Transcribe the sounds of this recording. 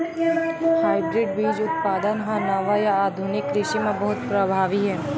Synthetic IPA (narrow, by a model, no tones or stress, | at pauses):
haːɪɖɾɪɖbiːd͡ʒʊt̪̚paːd̪ənɦãnɐʋajaaːd̪ʱʊnɪkɾɪʃimẽbɐɦʊt̪pɾɐbʱaːʋiɦɛː